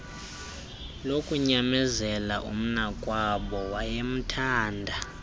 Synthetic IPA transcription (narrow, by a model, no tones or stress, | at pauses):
lokʼuɲamɛzɛla̰ʔum̩nakʼwaɓɔwajem̩tʰaːndʱa